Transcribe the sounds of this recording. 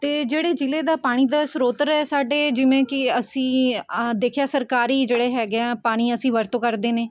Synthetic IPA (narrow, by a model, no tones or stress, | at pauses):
t̪eːd͡ʒeːɽeːd͡ʒɪleːd̪aːpaːɽ̃iːd̪aːsɾoːt̪əɾɛːsaːɖeːd͡ʒɪʋẽːkɪəsĩːd̪eːkʰjaːsəɾkaːɾiːd͡ʒeːɽeːɦɛːɡaːpaːɽ̃iːəsĩːʋəɾt̪õːkəɾd̪eːneː